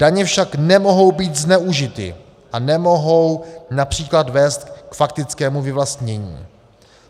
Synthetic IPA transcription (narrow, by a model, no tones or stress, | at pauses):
d̥aɲɛfʃaknɛmo̞ɦo̞wbiːt̪znɛuʒɪt̪ɪ̰ | ʔanɛmo̞ɦo̞wnapr̝̥iːkladvɛːst̪kfak̚t̪ɪt͡skɛːmuvɪvlast̪ɲɛɲḭː